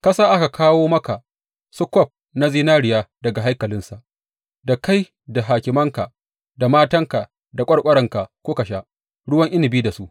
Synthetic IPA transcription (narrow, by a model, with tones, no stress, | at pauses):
kɐ˦saː˦ʔa˦ka˨kʰaː˦woː˦mɐ˦ka˨ | sʊ˦kʷɔ˦˨p̚ | na˦ziː˦naː˦ɽɪ˨jaː˦dɐ˨ɡa˨ɦa˦jkɐ˨lɪ˦nsa˨ʔ | da˨ka˦j | da˨ɦaː˨kʲɪ˨mɐ˦ŋka˨ | da˨maː˦tɐ˦ŋka˨ | da˨kʷʼɐ˦ɽkʷʼɐ˦ɽɐ˨ŋka˨kʷoː˦kɐ˨ʃa˦ʔ | ɽʊ˦wɐ˦ŋʔɪ˦nɪ˨biː˦da˨su˦ʔ